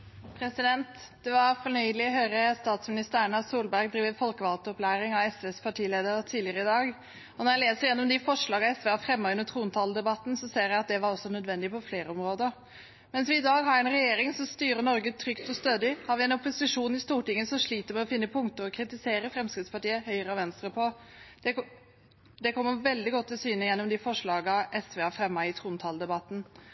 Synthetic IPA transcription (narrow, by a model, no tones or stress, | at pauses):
pʰɾɛsɪd̪ɛnt̪ | d̪̥ɛʋɑɾfɔɳœʏlɪɔɦøːɾəst̪ɑːt̪smɪnɪst̪əæɳɑsuːlbæɾɡd̪ɾiːʋəfɔlkəʋɑlt̪ɔplæːɾɪŋɑʋɛsʋeːspʰɑʈʰiːleːd̪əɾət̪ʰiːd̪lɪəɾəɪd̪ɑːɡ | ɔnɔɾjæɪleːsəɾjɛnːɔmd̪ɪfɔʂɭɑːɡɑɛsʋeːɑfɾɛmːɔʉnət̪ʰɾuːnt̪ʰɑːləd̪ɛbɑt̪ːn̩sɔseːɾjæɪɑt̪̚d̪ɛʋɑɾɔsːɔnœd̪ʋɛnd̪ɪpɔfleːɾəɔmɾoːd̪ə | mɛnsʋɪɪd̪ɑːɡhɑɾɛnɾɛjeːɾɪŋsɔst̪yːɾəɳɔɾɡət̪ʰɾʏkt̪ɔst̪øːd̪ɪhɑɾʋɪɛnɔpʊsɪʂuːn̩ɪst̪uːʈɪŋːəsɔʂɭiːt̪əɾmɛɔfɪnːəpʰʊŋt̪əɾɔkʰɾɪt̪ɪseːɾəfɾɛmskɪt̪spɑʈiːəhœʏəɾəɑʋɛnst̪ɾəpʰɔd̪̥ɛ | d̪ɛkʰɔmːəʋɛld̪ɪɡɔt̪ʰːɪlsyːnəjɛnːɔmd̪ɪfɔʂɭɑːɡɑʔɛsʋeːɑfɾɛmːɑɪt̪ʰɾuːnt̪ʰɑːld̪ɛbɑt̪ːn̩